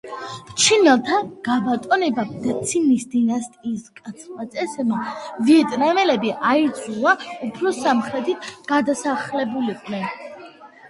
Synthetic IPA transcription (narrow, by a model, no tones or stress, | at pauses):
mt͡ʃʰinɛlˠt̪ʰaɡ̥abat̪ʼɔnɛbad̪at̪sʰinisd̪inast̪ʼiːskʼat̪sʰχmat̪sʼɛsɛmaviɛt̪ʼnamɛlɛbiʔaid̪zʰʼulaupʰɾɔsamχɾɛt̪ʰit̪ʰɡ̥ad̪asaχlɛbuliqʼlɛn